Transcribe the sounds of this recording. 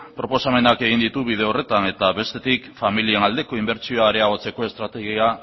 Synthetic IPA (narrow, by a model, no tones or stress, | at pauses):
pɾo̞po̞same̞nake̞ɣind̪it̪uβið̞e̞o̞re̞t̪ane̞t̪aβe̞st̪e̞t̪ikfamilie̞nald̪e̞ko̞imbe̞ɾt͡ʃioaɾe̞aɣ̞o̞t͡se̞ko̞e̞st̪ɾat̪e̞ɣia